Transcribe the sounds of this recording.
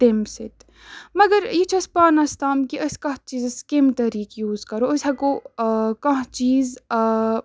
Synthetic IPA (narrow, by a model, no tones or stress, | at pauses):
t̪emsɪt̪ | mɐɡɐɾjit͡ʃʰɐspaːnɐst̪aːmkiʔɐskɐɦt͡ʃiːzɐskemt̪ɐɾiːkjuːzkɐɾoːɐsɐkokɐɦt͡ʃiːz